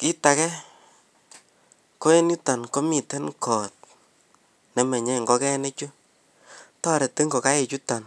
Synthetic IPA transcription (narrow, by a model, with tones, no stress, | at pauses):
kɪ˦ta˨kɛ˦ | ko˦e˦nu˦ta˨nko˦mi˨tɛ˦nkʰɔ˨t̚ | ne˨mɛ˨ɲe˦˨ŋɡɔ˦kɛ˦ne˦t͡ʃu˦ | tɔ˦ɾe˨te˦ŋɡo˨ka˦e˨t͡ʃu˦ta˨n